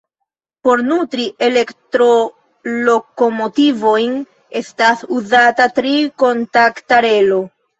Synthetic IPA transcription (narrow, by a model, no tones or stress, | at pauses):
po̞ɾnutɾiʔe̞le̞ktɾo̞ | lo̞ko̞mo̞tivo̞jn | e̞stasuzatatɾiko̞ntaktaɾe̞lo̞